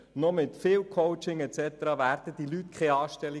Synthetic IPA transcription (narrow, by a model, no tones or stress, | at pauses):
nomɪt̪fɪːlkʰoʊt͡ʃɪŋɛt͡sɛt̪əɾɑvæːɾd̥əd̥̪ilytkʰχɛɑːʃtɛli